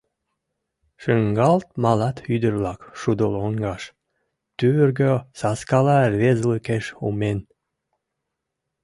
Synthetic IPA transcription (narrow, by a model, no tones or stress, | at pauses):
ʃɨŋɡɑlˠt̪̚mɑlˠɑt̪yd̪əɾlˠɑkʃud̪olˠoŋɡɑʃ | t̪yβyɾɡøsɑskɑlˠɑrβezlˠɨkeʃṵmen